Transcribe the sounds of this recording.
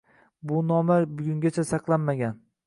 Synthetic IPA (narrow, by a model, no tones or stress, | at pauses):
bʊnɒmaɾbʊɡʲʊŋɡʲat͡ʃʰasɑqlˠanmaɡʲan